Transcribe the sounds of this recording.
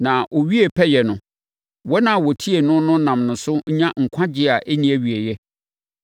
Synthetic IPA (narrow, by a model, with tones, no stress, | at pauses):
nã˨ʔo˨ɥi˦e˨pʰɛ˦jɛ˨nʊ̃˨ | wɔ˦nã˨wɔ˨tʰi˦e˨nʊ̃˦nʊ̃˦nã˨mnʊ̃˨sʊ˦ɲã˦ŋ̩˨kʷʰã˦d͡ʑɪ˦a˨ʔe˦nĩ˦æ˦ɥi˨e˨jɛ˦